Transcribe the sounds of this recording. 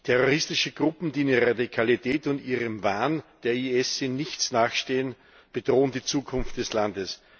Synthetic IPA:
tʰɛʁoʁɪstɪʃəɡ̥ʁʊpm̩d̥iːndeʁadikʰalitʰɛːtʊndiːʁəmvaːnd̥eːɐiɛsɪnːɪçt͡snaːχʃteːən | b̥əd̥ʁoːəndiːt͡suːkʰʊnftd̥ɛslandəs

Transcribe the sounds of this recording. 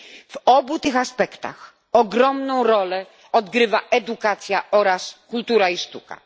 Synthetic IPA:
v̥ɔbut̪ɘxaspɛkt̪a̰x | ɔɡɾɔmnɔ̃w̃ɾɔlɛ | ɔd̪ɡɾɘvaʔɛd̪ukat̪sʲjaɔɾaskult̪uɾaiʂt̪uka̰

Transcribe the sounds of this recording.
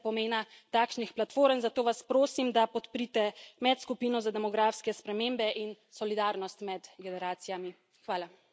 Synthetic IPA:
pɔmeːna | t̪aːkʃnixplat̪foːɾənzat̪oːʋaspɾoːsimd̪apɔt̪pɾit̪ɛmɛt̪skupiːnɔzad̪ɛmɔɡɾaːfskɛspɾɛmeːmbɛʔin | sɔlid̪aːɾnɔst̪mɛd̪ɡɛnɛɾaːt̪sijami | xʋaːla

